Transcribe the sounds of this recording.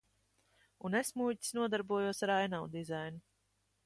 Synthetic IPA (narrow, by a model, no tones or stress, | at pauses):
unesmuːci̥snuɔd̪aɾbuɔjuɔsaɾajnawd̪izajnu